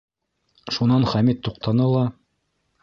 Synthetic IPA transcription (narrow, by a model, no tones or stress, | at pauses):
ʃunɑnχæmit̪ːuq̚t̪ɑnɤlˠɑ